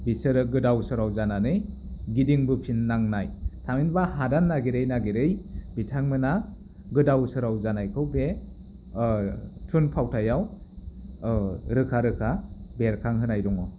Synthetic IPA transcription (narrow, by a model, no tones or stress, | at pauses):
bisɯɾɯɡɯdawsɯɾawzananɯj | ɡidiŋbɯpʰinːaŋnajtʰaminbaɦadanːaɡiɾejnaɡiɾɯjbitʰaŋmɯna | ɡɯdawsɯɾawzanajkʰɯwbe | tʰunpʰawtʰajaw | ɾɯkʰaɾɯkʰabeɾkʰaŋɦɯnajɾɔŋɔ